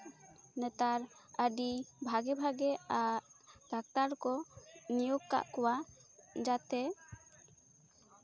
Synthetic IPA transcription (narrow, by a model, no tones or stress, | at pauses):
nɛt̪aɾəɖibʱaɡɛbʱaɡɛaʔd̪ak̚t̪aɾkɔnijoɡka̰ʔkɔwad͡ʒat̪ɛ